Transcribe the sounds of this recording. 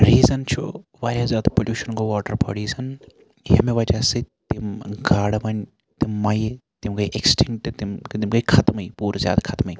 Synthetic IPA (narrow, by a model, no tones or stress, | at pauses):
ɾiːzɐnt͡ʃʰṵʋaːɾʲazʲaːd̪ɐpolʲjuːʃɐnkoʋɔːʈɐɾpʰo̰ɽiːzɐn | jɐmeʋɐt͡ʃaːset̪imɡaːɽɐmɐn | t̪imːɐjet̪imkɐiʔeksʈʰiŋʈt̪imt̪imkɐkʰɐt̪mɐjpuːɾzʲja̰ːd̪akʰɐt̪mɐi